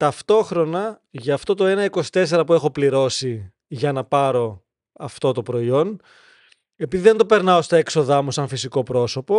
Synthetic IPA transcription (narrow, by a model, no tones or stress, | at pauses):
t̪ɐft̪o̞xɾo̞nɐ | ʝɐːft̪o̞t̪o̞e̞nɐiko̞si̥t̪e̞se̞ɾɐpue̞xo̞pliɾo̞si | ʝɐnɐpɐɾo̞ | ɐft̪o̞t̪opɾo̞io̞n | e̞piðiðe̞nd̪o̞pe̞ɾnɐo̞st̪ɐekso̞ðɐmusɐɱfisiko̞pɾo̞so̞po̞